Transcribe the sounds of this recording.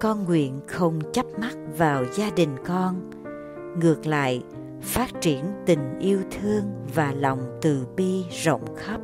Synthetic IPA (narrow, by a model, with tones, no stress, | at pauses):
kɔ˧nŋwḭ˧˨ənxə˧wŋ͡mt͡ɕa˦˥p̚ma˦˥t̚vaː˨˩wzaː˧ɗï˨˩ŋ̟kɔ˧n | ŋɨ˨˩ək̚la̰ː˧˨j | faː˦˥t̚t͡ɕi˧˩ənt̪ï˨˩ŋ̟ʔi˧əwt̪ʰɨ˧əŋvaː˨˩lɔ˨˩wŋ͡mt̪ɨ̰˧˨ɓi˧zə̰˧˨wŋ͡mxə˦˥p̚